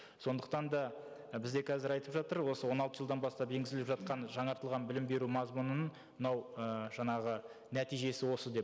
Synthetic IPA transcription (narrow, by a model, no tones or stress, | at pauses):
so̞nd̪əq̚t̪ɑnd̪ɑ | bɪzd̪ekʲʰæzɪɾɑjt̪əpʒɑt̪əɾwo̞səwo̞nɑlˠt̪əʒəlˠd̪ɑnbɑst̪ɑpe̞ŋɡʲɪzɪlɪpʒɑt̪̚qɑnʒɑɴɑɾt̪əlˠʁɑnbɪlɪmbe̞ɾumɑzmunənəɴ | mənɑwəʒɑɴɑʁə | næt̪ijʒe̞sɪwo̞səd̪e̞